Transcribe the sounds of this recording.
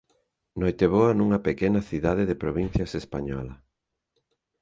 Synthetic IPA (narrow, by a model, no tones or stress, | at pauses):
nojt̪eβoɐnuŋɐpekɛnɐθiðað̞eðepɾoβin̟θjɐsespaɲɔ̰lɐ